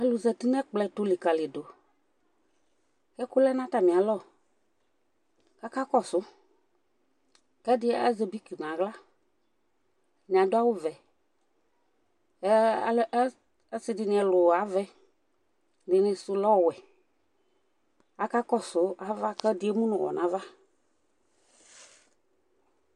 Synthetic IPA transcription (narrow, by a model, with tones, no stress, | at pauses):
ɛ˦lʊ˨zɛ˨t̪i˦nɛ̃˦k͡plɛ˨tʊ˨li˨ka˨lɪ˨do˨ | kɛ˦kʊ˦lɛ˦nã˦ta˨mĩ˨a˨lɔ˦˨ | ka˦ka˦kɔ˦sʊ˨˦ | kɛ˦dɪ˦ɛ˦a̰˦zɛ˨bi˦ki˨n˨ã˨ɡla˦ | nɪ̃˨a˨dʊ˦a˦wʊ˦vɛ˨˦ | ɛ˦sɪ˨dɪ˨nɪ̃˨ɛ˨lʊ˨a˨˦vɛ˨ | dɪ˨nɪ̃˧sʊ˨lɔ˦˨wɛ˨ | a˨ka˦kɔ˦sʊ˨˦a˨va˦kɛ˦dɪ˨˦ɛ˦mũ˦nʊ̃˨wɔ̰˨nã˨˦va˦